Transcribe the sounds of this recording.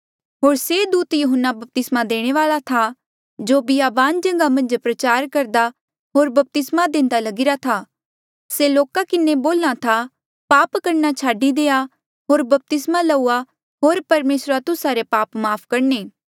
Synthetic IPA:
ɦoːɾseːd̪uːt̪jʊɦənːabɐp̚t̪ɪsmad̪eːɽ̃eʋaːɭat̪ʰa | d͡ʒoːbiaːbaːnd͡ʒɐ̃ŋɡamɐ̃nd͡ʒpɾɐt͡ʃaːɾkɐɾd̪a | ɦoːɾbɐp̚t̪ɪsmad̪ẽːnd̪alɐɡɪɾat̪ʰaː | seloːkakɪneboːlːat̪ʰa | paːpkɐɾnat͡ʃʰaːɖid̪eːa | ɦoːɾbɐp̚t̪ɪsmalɐuːa | ɦoːɾpɐɾmeːsɾat̪ʊsaɾepaːpmaːpʰkɐɾneː

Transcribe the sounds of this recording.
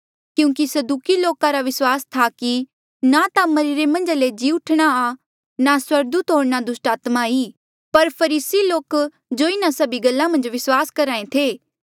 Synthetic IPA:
kjũːkisɐd̪uːkiloːkaɾaʋɪswaːst̪ʰaki | nat̪amɐɾiːɾemɐ̃nd͡ʒaled͡ʒiːʊʈʰɽ̃aa | naswɐɾɡ̚d̪uːt̪ɦoːɽñad̪ʊsʈaːt̪mai | pɐɾpʰɐɾiːsiloːk | d͡ʒoːɪnasɐbiɡɐlːãmɐ̃nd͡ʒʋɪswaːskɐɾãːẽt̪ʰeː

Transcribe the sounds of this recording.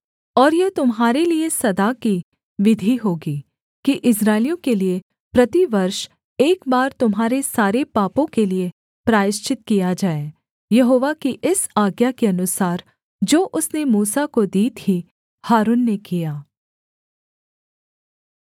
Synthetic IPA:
ɔːɾjɐt̪ʊmɦaːɾeliesɐd̪aki | ʋɪd̪ʱiɦoːɡiː | kiʔɪsɾaːɪlijõkelie | pɾɐt̪iʋɐɾʃ | eːkbaːɾt̪ʊmɦaːɾesaːɾepaːpõkelie | pɾaːjɪʃt͡ʃɪt̪̚kijad͡ʒaːe | jɐɦoːʋakiʔɪsaːɡjakiɐnʊsaːɾ | d͡ʒoːʔʊsnemuːsakod̪iːt̪ʰi | haːɾuːnːekijaː

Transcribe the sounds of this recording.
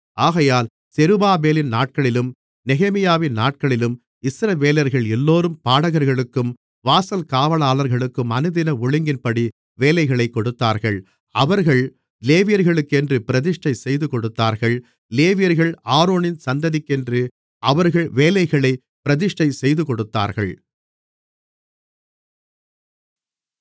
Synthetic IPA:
ʔaːɣɐjaːl | sɛɾɯbaːbeːlɪnnaːʈ̚kɐɭɪlɯm | nɛɣɛmɪjaːʋɪnnaːʈ̚kɐɭɪlɯm | ɪsɾɐʋeːlɐɾɣɐɭɛlːoːɾɯmpaːɽɐɣɐɾɣɐɭɯkːɯm | ʋaːsɐlkaːʋɐɭaːlɐɾɣɐɭɯkːɯmɐnɯðɪnɐʊɭɪŋɡɪnpɐɽi | ʋeːlɐɪɣɐɭɐɪkːɔɽɯt̪ːaːɾɣɐɭ | ɐʋɐɾɣɐɭ | leːʋɪjɐɾɣɐɭɯkːɛndrɯpɪɾɐðɪʂʈɐɪsɛjðɯkɔɽɯt̪ːaːɾɣɐɭ | leːʋɪjɐɾɣɐɭaːɾoːnɪnsɐnd̪ɐðɪkːɛndrɯ | ʔɐʋɐɾɣɐɭʋeːlɐɪɣɐɭɐɪ | pɪɾɐðɪʂʈɐɪsɛjðɯkɔɽɯt̪ːa̰ːɾɣɐ̰ɭ

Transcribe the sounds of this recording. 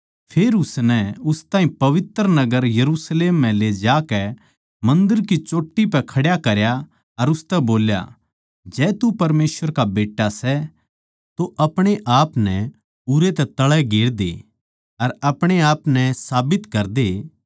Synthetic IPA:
pʰeːɾʊsnɛʊst̪ãːɦĩpɐʋɪt̪ɾnɐɡəɾjɐɾuːsleːmːɛ̃led͡ʒaːkɛ | mɐ̃nd̪əɾk̬it͡ʃoːʈːipɛkʰɐɽjakɐɾja | ɐɾʊst̪ɛboːlja̰ | d͡ʒɛːt̪upɐɾmeːsʋəɾkabeːʈːasɛ | t̪oʔɐpɽ̃eʔaːpnɛ | uɾet̪ɛt̪ɐɭɛɡeːɽd̪e | ɐɾɐpɽ̃eaːpnɛsaːbɪt̪kɐɾd̪e

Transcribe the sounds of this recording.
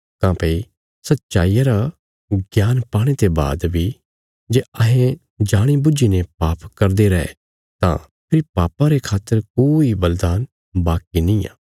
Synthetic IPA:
kãːpei | sɐtːʃaːiːjaɾa | ɡjaːnpaːɽ̃et̪eba̰ːd̪bʱi | d͡ʒeːɐɦẽ | d͡ʒaːɽ̃ibʊd͡ʒinepaːpkɐɾd̪eɾɐɛ̰ | t̪ã̰ | pʰɪɾipaːpãɾekʰaːt̪ːəɾkoːibɐld̪aːn | baːkinĩːa̰ː

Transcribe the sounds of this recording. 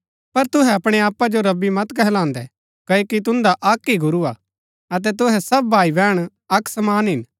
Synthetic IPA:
pɐɾt̪ʊɦɛɐpɽ̃eaːpːad͡ʒoɾɐbːimɐt̪kɛɦlãːnd̪ɛ | kɐjokit̪ʊ̃nd̪aʔɐkːiɡʊɾua | ɐt̪̬ɛt̪̬ʊɦɛsɐbbʱaːibɛːɽ̃ | ɐksɐmaːnɦɪn

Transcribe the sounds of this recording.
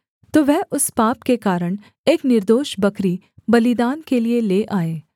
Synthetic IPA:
t̪oːʋɛɦʔʊspaːpkekaːɾəɽ̃ | eːknɪɾd̪oːʃbɐkɾi | bɐlɪd̪aːnkelieleːʔaːeː

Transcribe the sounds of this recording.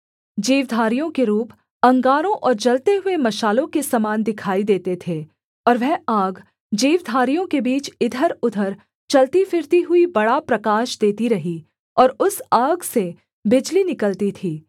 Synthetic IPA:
d͡ʒiːʋd̪ʱaːɾijõkeɾuːp | ɐ̃ŋɡaːɾõʔɔːɾd͡ʒɐlt̪eɦʊemɐʃaːlõkesɐmaːnd̪ɪkʰaːid̪eːt̪et̪ʰeː | ɔːɾʋɛɦaːɡ | d͡ʒiːʋd̪ʱaːɾijõkebiːt͡ʃɪd̪ʱəɾʊd̪ʱəɾ | t͡ʃɐlt̪ifʰɪɾt̪iɦʊibɐɽapɾɐkaːʃd̪eːt̪iɾɐɦi | ɔːɾʊsaːɡse | bɪd͡ʒlinɪkəlt̪it̪ʰiː

